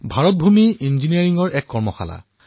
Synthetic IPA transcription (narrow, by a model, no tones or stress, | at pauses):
bʱaɹɔt̚bʱumiinziniaɹiŋɡɔɹɛkːɔɹmɔxa̰la̰